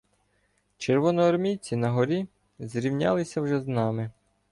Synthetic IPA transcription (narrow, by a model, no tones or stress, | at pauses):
t͡ʃerʋɔnɔːrmʲijt͡sʲinɐɦɔɾʲi | zɾʲiwnʲa̰lˠɪsʲɐwʒɛznɑmɪ